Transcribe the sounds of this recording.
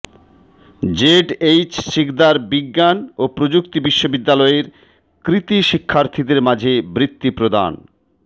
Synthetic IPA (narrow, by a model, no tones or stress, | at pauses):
d͡ʑeɖejt͡ɕʃikd̪aɾbiɡːanopɾod͡ʑukt̪ibiʃːobid̪ːalɔeɾ | kɾit̪iʃikʰːaɾt̪ʰid̪eɾmad͡ʑʱebɾit̪ːipɾod̪a̰n